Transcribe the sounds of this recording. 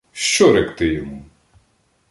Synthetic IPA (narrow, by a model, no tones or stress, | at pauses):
ʃt͡ʃɔɾɛkt̪ɪjɔmu